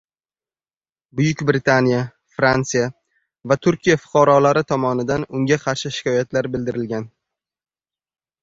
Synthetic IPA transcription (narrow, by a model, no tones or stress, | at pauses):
bʊjʊkʲbɾɪt̪ʰanija | fɾant̪sɨja | vat̪ʰʊɾkʲʰijafʊ̥qʰɑɾɒlaɾɪt̪ʰɒmɒnɪd̪anʊŋʲaqʰɑɾʃɪʃɪ̥kʲɒjat̪laɾbɪld̪ɪɾɪlɡʲan